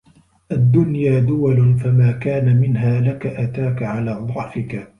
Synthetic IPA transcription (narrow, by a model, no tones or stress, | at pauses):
ʔad̪ːʊnjaːd̪ʊwalfamaːkaːnamɪnɦaːlakaʔat̪aːkaʕalaːd̪ˤɑʕfɪka